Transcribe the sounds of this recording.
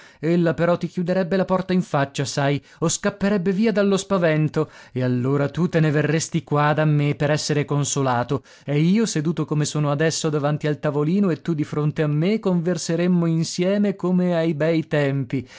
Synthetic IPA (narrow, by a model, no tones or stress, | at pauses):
elːapeɾɔt̪ːikjud̪eɾɛbːelapɔrt̪aiɱfat͡ʃːasaj | oskapːeɾɛbːeviːad̪alːospavɛnt̪oealːoːɾat̪ut̪eneverːest̪ikwad̪amːepeɾɛsːeɾekonsolaːt̪o | ɛiːosed̪uːt̪okomesoːnoad̪ɛsːod̪avant̪ialt̪avoliːnoet̪ːud̪ifɾont̪eamːekoɱverseɾemːoinsjɛːmekomeajbɛjt̪ɛmpi